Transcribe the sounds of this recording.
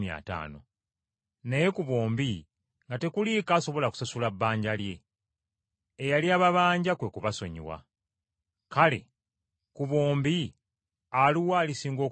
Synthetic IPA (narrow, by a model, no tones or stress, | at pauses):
mia̰ːta̰ːno̞̰ | neje̞kuβoːmbi | ŋɡate̞kulikaːso̞βo̞laku̥sasulaβːaːɲɟalje̞ | jaljaːβaβaːɲɟakwe̞kuβaso̞̰ɲḭwa̰ | kale̞̰ | kuβoːmbi | aluwaːlisiːŋɡo̞ː